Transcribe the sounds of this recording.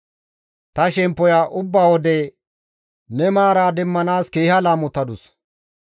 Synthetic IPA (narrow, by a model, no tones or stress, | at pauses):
t̪ɐʃɛmpːɔjaːʔʊbːaːwɔd̪ɛ | nɛmaːɾaːd̪ɛmːɐnaːskeːhɐlaːmʊt̪ːɐd̪ʊs